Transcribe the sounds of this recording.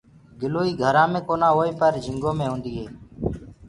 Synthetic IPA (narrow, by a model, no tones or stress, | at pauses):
ɡɪloːiːɡʱəɾãːmẽːkoːnãːɦoːeːpəɾd͡ʒʱɪŋɡoːmẽːɦõːnd̪iːɦeː